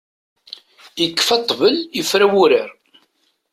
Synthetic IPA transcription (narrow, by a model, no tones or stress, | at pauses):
jəkːfɑt̪ˤːvəljəfɾæwʊɾəɾ